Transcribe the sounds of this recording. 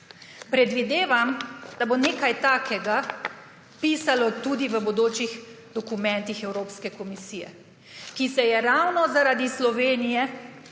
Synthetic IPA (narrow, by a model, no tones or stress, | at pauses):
pɾɛd̪ʋid̪eːʋamd̪aboneːkajt̪aːkʰɛɡa | piːsalɔt̪uːd̪iʋəbɔd̪oːt͡ʃix | d̪ɔkumɛnt̪ixɛwɾoːpskɛkɔmisiːjɛ̰ | kisɛjɛɾawnɔzaɾad̪islɔʋeːnijɛ